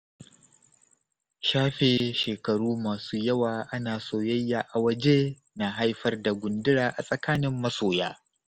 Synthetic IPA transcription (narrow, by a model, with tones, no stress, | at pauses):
ʃaː˦ɸeː˨ʃeː˨kɐ˨ɽuː˦maː˨suː˦jɐ˦waː˨ʔa˦naː˨soː˦jɐ˦jːaː˨ʔa˨wɐ˦d͡ʒe˦ | na˨ɦa˦jɸɐ˦rda˨ɡʷʊ˨ndɪ˦ɽaː˨ʔa̰˨sʼɐ˨kaː˦nɪ˦mːɐ˦soː˨jaː˦